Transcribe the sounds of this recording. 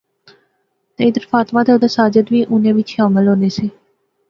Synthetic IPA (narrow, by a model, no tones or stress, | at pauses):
nəɪd̪əɾfaːt̪mãːt̪ʰeʊd̪asaːd͡ʒət̪ʋiːʔʊnẽːʋɪt͡ʃʃaːməlɦõːneːseː